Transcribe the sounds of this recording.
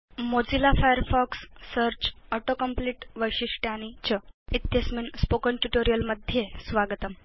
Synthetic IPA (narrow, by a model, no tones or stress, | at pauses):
mod͡zilafajəɾfɔksːəɾt͡ɕəʈokəmpliʈʋəjɕiʂʈjañit͡ɕəit̪jəsminspokəɳʈuʈoɾijəlməd̪ʱjesʋaɡət̪əm